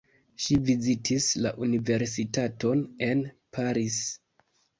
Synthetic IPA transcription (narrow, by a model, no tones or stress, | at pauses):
ʃivizitʰisla̰ʔunive̞ɾsitato̞ne̞n | pʰaɾis